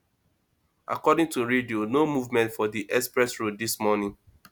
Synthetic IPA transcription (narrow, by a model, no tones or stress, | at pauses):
a̰kɔdɪ̃ŋtuɹedionomuvmɛ̃ntfɔdiʔɛspɹɛsɹoddismɔnɪ̃ŋ